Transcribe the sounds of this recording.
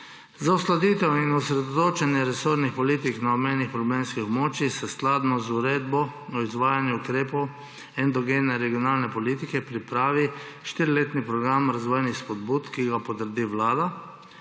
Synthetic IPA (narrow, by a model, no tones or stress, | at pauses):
zauslad̪iːt̪ɛwinɔsɾɛd̪ɔt̪oːt͡ʃɛnjɛɾɛsoɾnixpɔliːt̪iknaɔmeːnixpɾɔbleːmnskixɔbmoːt͡ʃixsɛsklaːd̪nɔzuɾeːd̪bɔɔizʋaːjanjuukɾeːpɔw | ɛnd̪ɔɡeːnɛɾɛɡijɔnaːlnɛpɔliːt̪ikɛpɾipɾaːʋi | ʃt̪iːɾileːt̪nipɾɔɡɾamɾazʋɔːjnixspɔd̪buːt̪kiɡapɔt̪əɾd̪iʋlaːd̪a